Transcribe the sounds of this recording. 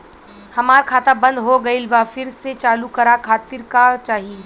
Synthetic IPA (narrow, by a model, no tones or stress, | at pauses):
hɐmaːɾkʰaːt̪abə̃nd̪ɦoɡɐɪlʋafɪɾset͡ʃaːlukɐɾakʰaːt̪ɪɾkat͡ʃaːɦi